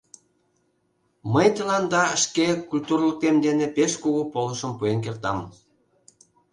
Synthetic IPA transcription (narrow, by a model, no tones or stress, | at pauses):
məjt̪əlɑnd̪ɑə̆ʃkekulʲt̪urlˠuk̚t̪emd̪enepeʃkuɣupolˠə̆ʃə̆mpujenk̬ert̪ɑ̰m